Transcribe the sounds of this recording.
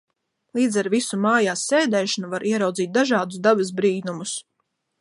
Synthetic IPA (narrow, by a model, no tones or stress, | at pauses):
lˠiːd̪zaɾvisumaːjaːsːeːd̪ɛːʃanuvaɾʔiɛɾawd̪ziːt̪̚d̪aʒɑːd̪us̬d̪abɐsbɾiːnumus